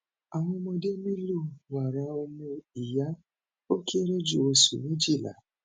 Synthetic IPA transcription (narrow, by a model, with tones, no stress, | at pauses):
a˨ŋʊ˦mɔ˦de˦mi˦lu˦˨wa˨ɾa˨ɔ˧me˦i˨ja˦ | o˦ke˦ɾe˦d͡ʒu˨o˨sṵ˨ni˦d͡ʒi˦˨la̰˨